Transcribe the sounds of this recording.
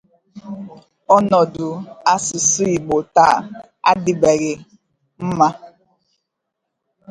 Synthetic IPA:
ɔ˦nɔ˨du˨a˦su˨su˦i˨ɓo˨ta˦˨ | a̰˦di˦bɛ˨ɣe˨ | m̩˦ma˦

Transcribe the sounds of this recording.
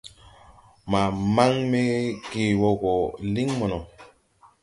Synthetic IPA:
ma˨ma˦ŋme˦ɡeː˦˨wo˦ɡo˨li˦ŋmo˨no˨

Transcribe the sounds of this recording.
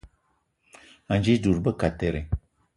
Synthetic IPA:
a˨nd͡ʒi˦du˨ɾbə˦ka˨te˨ɾe˨

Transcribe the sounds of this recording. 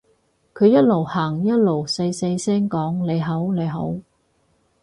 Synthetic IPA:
kʰɵ˨˧ɥjɐ˥t̚lo˨˩whaː˨˩ŋjɐ˥t̚lo˨˩wse˧jse˧jsɛː˥ŋkɔː˨˥ŋle˨˧jɦɐ˨˥wle˨˧jɦo̰˨˥w

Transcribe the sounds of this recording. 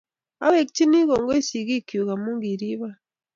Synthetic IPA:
a˦βe˨kiti˦ni˦ɣo˨ŋɡo˦si˨ɣi˦ki˨u˨ɣa˨mu˦ŋɡi˨ɾi˦βa˦

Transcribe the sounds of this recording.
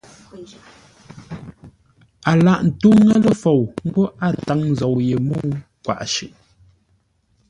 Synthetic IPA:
a˨la˦˨ʔn̩˨tu˦ŋa˦lə˦fo˨wŋ̩˦ɡo˦ʔa˦˨ta˨˦ŋ˨zo˨wje˨mu˦kwa̰˨ʔʃʉ˨ʔ

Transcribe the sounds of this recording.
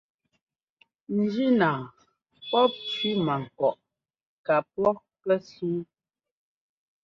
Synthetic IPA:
n̩˨˦d͡ʒi˦naː˨ | pɔ˦p̚t͡ʃɥi˦ma˨ŋ̩˨kɔ˨ʔ | ka˨p̚wɔ˦ | pɛ˦suː˦

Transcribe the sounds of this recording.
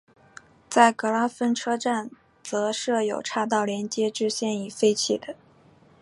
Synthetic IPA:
t͡sa˥˩ɪkɤ˧˥la˥fə˥nʈ͡ʂʰɤ˥ʈ͡ʂa˥˩n | t͡sɤ˧˥ʂɤ˥˩jo˨˩ʊʈ͡ʂʰa˥˧t̪̬ɑ˥˩ʊljɛ˧˥nt͡ɕjɛ˥ʈ͡ʂɻ̩˥˧ɕjɛ˥˩ni˨˩fe˥ɪt͡ɕʰi˥˩d̪ə˦

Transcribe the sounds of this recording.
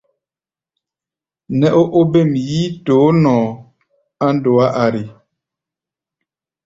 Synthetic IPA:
nɛ˦ʔo˦ʔo˦be˦˨mjiː˦toː˨˦nɔ̃˨ | a˦ndo˨a˦ʔa˨ɾi˨

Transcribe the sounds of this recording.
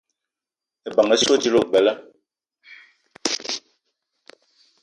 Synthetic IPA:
e˨ba˨ŋɛ˦so˦ti˦lo˦˨bɛ˨lɛ˦

